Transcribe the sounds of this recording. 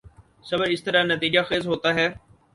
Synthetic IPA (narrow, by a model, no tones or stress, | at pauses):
səbəɾɪst̪əɾaːnət̪iːd͡ʒaːxeːzɦoːt̪aːɦɛː